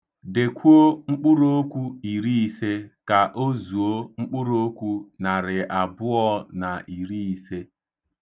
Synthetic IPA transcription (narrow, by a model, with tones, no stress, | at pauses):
de˨kʷu˦o˦ŋ͡m̩˦k͡pu˦ɾo˦o˦kʷu˦i˨ɾi˦i˨se˦ka˨ʔo˦zu˨o˦ŋ͡m̩˦k͡pʊ˦ɾo˦kʷu˦na˨ɾɪ˨a˨bʊ˦ɔ˦na˨ʔi˨ɾi˦i˨se˦